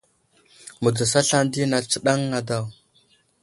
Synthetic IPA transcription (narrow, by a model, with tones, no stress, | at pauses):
mu˨da˨sa˦ɬa˦ndi˦na˨t͡sə˦ɗa˦ŋːa˨da˨w